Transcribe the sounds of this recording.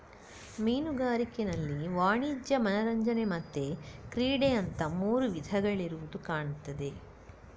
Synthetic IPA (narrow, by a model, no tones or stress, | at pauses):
miːnuɡaːɾikenɐlːiʋaːɳiːd͡ʒjɐmɐnɐɾɐɲd͡ʒɐnemɐt̪ːe̞kɾiːɽeɐnt̪ɐmuːɾuʋid̪ʱɐɡɐɭiɾuʋud̪ukaːɳut̪ːɐd̪e̞